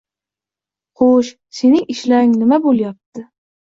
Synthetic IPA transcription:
χoʃ | senɪŋɪʃlaɪŋnɪmabolˠjap̚t̪ʰɪ

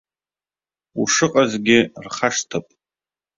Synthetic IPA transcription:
uʂɨqʼazɡʲɪrχaʂtʰapʼ

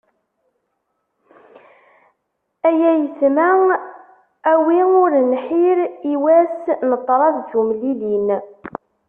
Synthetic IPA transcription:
æjæjəsmæ | æwiʊɾnħiɾiwæsnət̪ˤːɾˤɑðd͡ʒumlilin

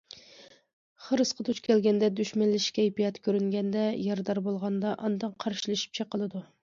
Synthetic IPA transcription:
χəɾɨsqʰət̪ʰut͡ʃkʲʰɛlɡʲɛnd̪ɛd̪yʃmɛnlːɪʃkʲɛipijɑt̪kʲʰøɾyŋɡʲɛnd̪ɛjɑɾd̪ɑɾbolˠʁɑnd̪ɑʔɑnd̪ɑŋqʰɑɾʃilˠɨʃi̥p̚t͡ʃʰeqəlˠɨd̪u

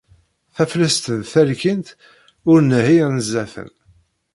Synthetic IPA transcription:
θæfləst̪əðθælkint̪ | ʊɾnəhinəzːæθə̰n

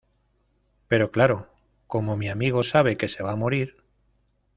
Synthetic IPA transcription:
pe̞ɾo̞klaɾo̞ | ko̞mo̞miamiɣ̞o̞saβ̞e̞ke̞se̞βamo̞ɾiɾ

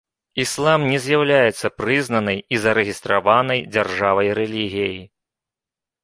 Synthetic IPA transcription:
islˠamnʲɛzʲjawlʲajɛt̪sːɐpɾɨznɐnɐjizɐɾɛɣʲist̪ɾavanɐjd͡zʲarʐavɐjɾɛlʲiɣʲijeji

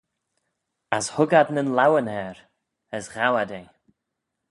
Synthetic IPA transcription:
ashʊɡad̪nənlawənhɛɾ | əsɣawadej

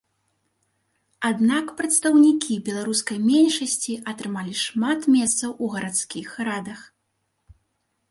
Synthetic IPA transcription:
ad̪nakpɾɐt̪st̪ɐwnʲikʲʰibʲɛlˠaɾuskɐjmʲɛnʲʂɐsʲt͡sʲiʔɐt̪ɾɨmalʲiʂmat̪mʲɛst̪sɐwʔuɣɐɾʔat̪skʲixɾad̪ɐx

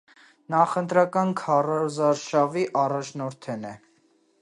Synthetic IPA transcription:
nɑχənt̪ɾɑkɑnkʰɑrɔzɑɾʃɑviʔɑrɑt͡ʃʰnɔɾt̪ʰɛnɛ

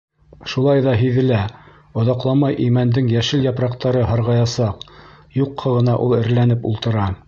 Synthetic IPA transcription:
ʃulˠɑjðɑɦiðɘ̆læ | ŏðɑqlˠɑmɑjʔimænd̪ɘŋjæʃɘljɑpɾɑqt̪ɑɾɤɦɑɾʁɑjɑsɑqjuqʰːɤʁɤ̆nɑʔulˠɘ̆ɾlænɘpṵlˠt̪ɤ̆ɾɑ

